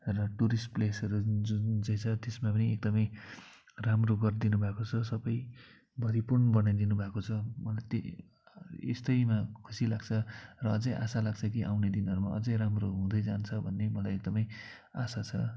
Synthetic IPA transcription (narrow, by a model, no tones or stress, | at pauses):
rʌʈuɾisplesʌɾud͡zud͡zaj̃t͡sʰʌt̪esmapʌniek̚d̪ʌmʌj | ramroɡʌrd̪inubʱakot͡sʰʌsʌbʌj | bʱʌɾipurnbʌnajd̪inubʱakot͡sʰʌmʌlajt̪e | ḛst̪ʌjmakʰu̥silaɡt͡sʰʌrʌʌd͡zʌjʔa̰salaɡt͡sʰʌkiʔa̰wned̪inɦʌɾumaʌ̰d͡zʌ̃jɾamroɦũd̪ʌjd͡zant͡sʰʌbʱʌnːemʌlajek̚d̪ʌmʌj | asat͡sʰʌ